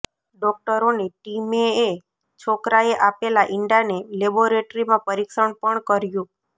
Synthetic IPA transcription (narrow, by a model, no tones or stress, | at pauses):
ɖɔk̚ʈəɾoneʈimeː | t͡ʃʰokɾaeʔapelaʔɪɳɖaneleboɾeʈɾimãpəɾikʃəɳpəɳkəɾjũ